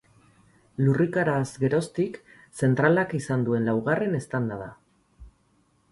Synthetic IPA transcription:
lurikaɾazɡe̞ɾo̞st̪ik | se̞nt̪ɾalakisand̪ue̞nlawɣ̞are̞ne̞st̪and̪aða

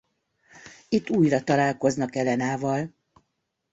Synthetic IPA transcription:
it̪ːuːjrɒt̪ɒlaːlko̞znɒkɛlɛnaːvɒl

